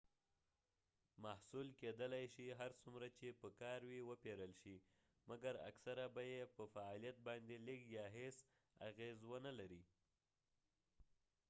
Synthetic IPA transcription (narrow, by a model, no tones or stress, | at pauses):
mahsulked̪əlajʃiɦaɾsumɾat͡ʃepəkɑɾwiwəpeɾəlʃi | maɡaɾa̰ksaɾabajepəfaɑlijat̪̚bɑnd̪elikjɑɦes | a̰ɣezwənalaɾi